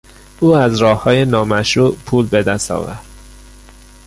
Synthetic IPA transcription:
ʔuːæzɾɒːhːɒːjenɒːmæʃɾuːʔpʰuːlbe̞d̪æst̪ɒ̰ːvæɾd̪̥

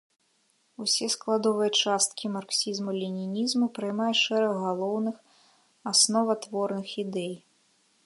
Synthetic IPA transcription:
usʲɛsklˠad̪ɔvɨjɐt͡ʂast̪kʲimarksʲizmulʲinʲinʲizmupɾɨjmajɛʂɛɾɐɣɣalˠɔwnɨx | asnɔvɐt̪vɔrnɨxid̪ɛj

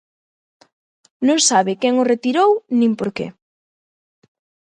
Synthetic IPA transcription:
nõŋsaβɪkɛŋʊret̪iɾownĩmpoɾkḛ

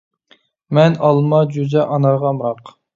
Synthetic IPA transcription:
mɛnɑlˠmɑd͡ʒud̪ɛʔɑnɑɾʁɑmɾɑq

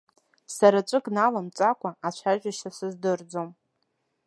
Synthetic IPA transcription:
saɾat͡ʃʷʼɨkʼnalamt͡sʼakʷʰaat͡ʃʷʰaʒᶣʷaʃasɨzdɨrd͡zom

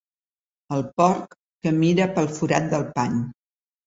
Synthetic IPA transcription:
əlˠpɔɾkː | əmiɾəpəlˠfuɾat̪̚d̪əlˠpaɲ

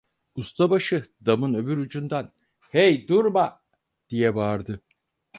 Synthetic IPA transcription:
ust̪ʰabaʃɯd̪amɯnø̞byɾud͡ʒund̪an | hejd̪uɾma | d̪̥ijɛbaɾd̪ɯ

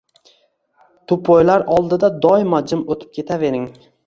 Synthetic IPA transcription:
t̪ʰʊpʰɒjlaɾɒlˠd̪ɪd̪ad̪ɒɪmad͡ʒɪmot̪ʰɪ̥p̚kʲʰe̞t̪ʰave̞ɾɪŋ

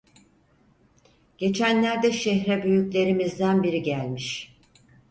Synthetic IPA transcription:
ɟ̥e̞t͡ʃʰænlʲæɾd̪ɛʃɛçɾɛbyjyclʲe̞ɾimizd̪ænbiɾiɟælʲmiʃ

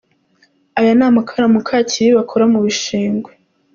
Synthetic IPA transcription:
ajanaːmakʰaɾamukʰacʰiɾiβakʰoɾamuβiʃiːŋɡwe

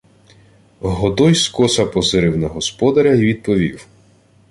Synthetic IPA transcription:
ɦɔd̪ɔjskɔsɐpɔzɪɾɪwnɐɦɔspɔd̪ɐɾʲɐiʋʲid̪̚pɔʋʲḭw

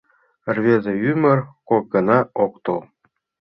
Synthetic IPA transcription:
rvʲezĕymɘ̆rkok̚ɡɤ̆nɑok̚t̪ulˠ

